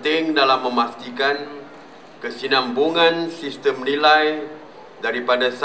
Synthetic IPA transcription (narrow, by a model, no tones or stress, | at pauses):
t̪ɪŋdalamːə̃mast̪ikan | kəsinambuŋãnsist̪əmnilaj | daɾipadas